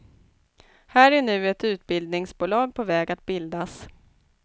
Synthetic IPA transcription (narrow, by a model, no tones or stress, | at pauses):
hæːɾæɳʉ̟ːɛt̪ʉ̟ːt̪̚bɪld̪nɪŋsbuːlɑːɡ̚pʰɔvɛːɡat̪̚bɪld̪as